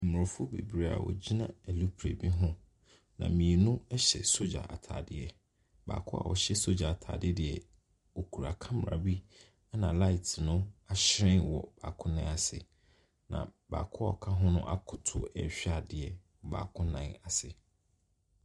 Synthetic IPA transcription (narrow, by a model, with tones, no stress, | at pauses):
mʊ˨ɾɪ̃˨fʊ˦bḛ˨bi˦ɾe˦a̰˨wɔ̰˨d͡ʑi˦nã˦æ˨lu˦pʰɾḛ˨bi˦ɦʊ̃˦ | nã̰˨mĩ˨ɛ˨nũ˦ɛ˦ɕɛ̰˨so˦d͡ʑa̰˨ʔa̰˨tʰa̰ː˨dɪ˦ɛ˨ | ba̰ː˨kʰʊ˦a̰˨wʔɔ˨ɕɛ˦so˦d͡ʑa˨a˨tʰa̰ː˨dɪ˦dɪ˨ɛ˨ | wo˨kʰu˨ɾa˨kʰã˦m˨ɾa˨bi˦ | a˦nã˨la˦ɪ˨tʰnʊ̃˦a˨ɕɪ˦ɾɪ̃˦nwɔ˨b̥aː˨kʰʊ̃˦nã˨˦˨a˨sɪ˨ | nã̰˨ba̰ː˨kʰʊ˦ɔ˨kʰã˦ɦʊ̃˦nʊ̰̃˦ʔa˦kʰʊ˨tʰʊ˨ɛ̰˨ɕᶣa˨dɪ˨ɛ˨wɔ˨ba̰ː˨kʰʊ̃˦nã˨na˨sɪ˨